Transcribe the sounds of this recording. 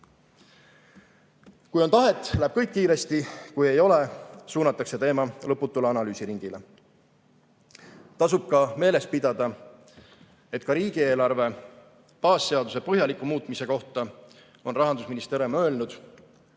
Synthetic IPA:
kujo̞nt̪ɑɦe̞t̪ːˑlæeb̥̚kɤjkːiːɾe̞st̪ikuje̞jo̞le̞suːnɑt̪ːˑɑkse̞t̪e̞ːmɑlɤpːut̪ːˑuleɑnɑlyːsiɾiŋɡ̥ile | t̪ɑsub̥̚kɑme̞ːle̞s̚pid̪̥ɑd̪̥ɑ | e̞t̪ːˑkɑɾiːɡ̥ie̞ːlɑrve̞ | pɑːsːe̞ɑd̪use̞pɤɦjɑlikːˑumuːt̪ːˑmise̞ko̞ht̪ɑ | o̞nrɑɦɑnd̪usminist̪eɾemø̞ːlnud̪̥

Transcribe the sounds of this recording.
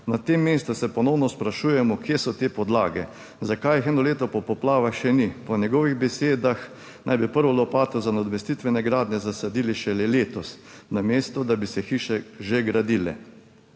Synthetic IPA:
nat̪emːeːst̪usɛpɔnɔwnɔspɾaʃujɛmɔkjesɔt̪eːpɔd̪la̰ːɡɛ | zakajixɛːnɔleːt̪ɔpɔpɔplaːʋaxʃɛnipɔnjɛɡɔʋiɣbɛseːd̪ax | nʔajbipəɾʋɔlɔpaːt̪ɔzanad̪ɔmɛst̪it̪ʋɛnɛɡɾaːd̪nɛzasad̪iːliʃɛlɛleːt̪ɔsnameːst̪ɔd̪abisɛxiːʃɛʒeɡɾad̪ilɛ̰

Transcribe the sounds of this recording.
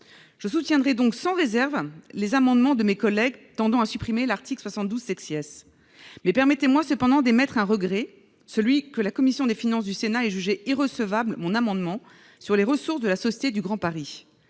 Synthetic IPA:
ʒ̥əsut̪jɛ̃d̪ʁɛd̪ɔ̃ksɑ̃ʁezɛʁvlezamɑ̃d̪mɑ̃d̪əmekɔlɛɡt̪ɑ̃d̪ɑ̃asypχimelaʁt̪iklswasɑ̃t̪̚d̪uzsɛksiɛs | mɛpɛʁmɛt̪emwasəpɑ̃d̪ɑ̃d̪emɛt̪χɛ̃ʁəɡʁɛ | səlɥikəlakɔmisjɔ̃d̪efinɑ̃sd̪ysenaɛʒyʒeiʁəsəvablmɔ̃namɑ̃d̪mɑ̃ | syʁleʁəsuʁsd̪əlasɔsje̥t̪ed̪yɡʁɑ̃paʁi

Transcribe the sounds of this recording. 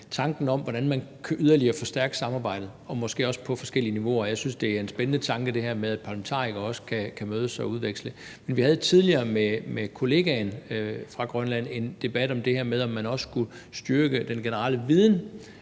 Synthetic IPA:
t͡sʰɑ̈ŋɡ̥n̩ɒ̽m̰ʋɒɾ̥ænmænkʰæʔyðˠɐliɐfɒ̽sd̥æɐɡ̥ə̥sɑ̈mɑ̈ːb̥ɑ̈ɪ̰d̥ð̩ˠɒ̽mɒ̽sɡ̥e̝̰ːɒ̽spʰɒ̽fɒ̽sɡ̥el̰iəniʋo̝ɐɒjɑ̈ɪsynsd̥e̝æɐe̝nsb̥enənət͡sʰɑ̈ŋɡ̥əd̥e̝hæɐ̰með̞ˠæd̥̚pʰɑ̈læment͡sʰɑ̰̈ːʁiɡ̥ɐɒ̽sə̥kʰækʰæmøːð̞ˠəsɑ̈ɪɒuðˠʋeɡ̥slə | menʋihæðˠət͡sʰið̞ˠliɐːmemekʰo̝le̝ːɡ̥ænfʁɑ̈ɡ̥ʁɶnlæn̰e̝nd̥e̝b̥æd̥ɒ̽md̥e̝hæɐ̰með̞ˠɒ̽mːænɒ̽sə̥sɡ̥u | sd̥yɐɡ̥əd̥enɡ̥e̝nəʁɑ̰̈ːləʋið̞ˠn̩

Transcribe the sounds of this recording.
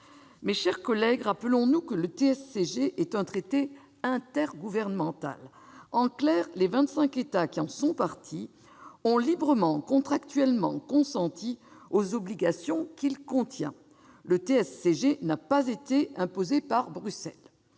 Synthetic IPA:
meʃɛʁkɔlɛɡʁapəlɔ̃nukələt̪eɛsːeʒeʔɛt̪ɛ̃t̪χet̪e | ɛ̃t̪ɛʁɡuvɛʁnəmɑ̃t̪a̰l | ɑ̃klɛʁlevɛ̃t̪sɛ̃ket̪akʲiɑ̃sɔ̃paʁt̪ʰi | ɔ̃libʁəmɑ̃kɔ̃t̪χakt̪ɥɛlmɑ̰̃kɔ̃sɑ̃t̪iozɔbliɡasjɔ̃kilkɔ̃t̪jɛ̰̃ | lət̪eɛsːeʒenapazet̪eɛ̃pozepaʁbʁysɛl

